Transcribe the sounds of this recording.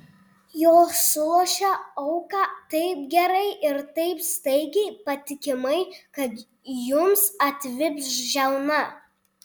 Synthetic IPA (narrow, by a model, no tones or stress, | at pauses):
joːssʊlˠuːʃʲɛɐʊkɑːt̪ɐɪp̚ɡʲɛɾɐɪʔɪɾt̪ɐɪpst̪ɐɪɡʲɛɪpɐt̪ʲɪkʲɪmɐɪkɐt̪ | jʊmsɐt̪ʲʋʲɪpʲsʒʲɛʊnɐ